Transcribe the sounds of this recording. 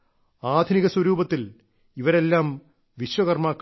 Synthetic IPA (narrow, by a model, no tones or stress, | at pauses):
aːd̪ʱniɣɐswɐɾuːbɐt̪ːil | iʋɐɾe̞lːaːm | ʋiɕwɐɣɐrmaːkː